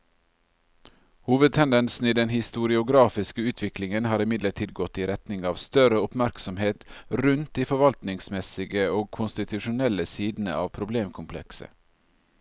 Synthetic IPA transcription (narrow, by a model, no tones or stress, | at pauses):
huːʋəd̪̚t̪ʰɛnd̪ɛnsn̩iːd̪ɛnhɪst̪ʊɾɪʊɡɾɑːfɪskəʉːt̪ʰʋɪklɪŋənhɑːɾɪmɪd̪ləʈʰiːd̪ɡɔt̪ːiːɾɛt̪nɪŋɑːʋst̪œɾəʊpmæɾksɔmheːt̪ɾʉnt̪̚d̪iːfɔɾʋɑlt̪nɪŋsmɛsɪɡəoːɡ̚kʰʊnst̪ɪt̪ʉʃʊnɛləsiːd̪n̩ə̰ɑ̰ːʋpʰɾʊbleːmkʰʊmpʰlɛ̰ksə̰